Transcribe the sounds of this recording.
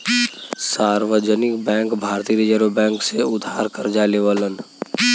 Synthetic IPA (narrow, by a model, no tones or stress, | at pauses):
saːɾʋəd͡ʒənɪkbɛ̃ːŋkbʱaːɾt̪iːɾid͡ʒəɾobɛ̃ːŋkseʊd̪ʱaːɾkəɾd͡ʒaːleʋalən